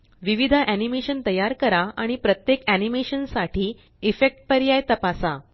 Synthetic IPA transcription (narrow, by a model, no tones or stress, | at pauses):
ʋiʋid̪ʱaʔænimeɕənt̪əjaɾkəɾaaɽ̃ipɾət̪jekænimeɕənsaʈʰiː | ifek̚ʈ̚pəɾjajt̪əpasa